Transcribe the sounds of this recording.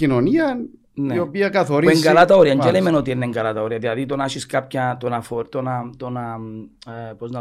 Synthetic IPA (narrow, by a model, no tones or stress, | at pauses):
inoniɐn | neopiɐkɐθoɾieŋɡɐlat̪ɐoɾiɐɲd͡ʒelemenot̪ieneŋɡɐlɐt̪ɐoɾiɐðilɐðit̪onɐʃiskap̚çɐt̪onɐfoɾt̪onɐt̪onɐ | poznɐ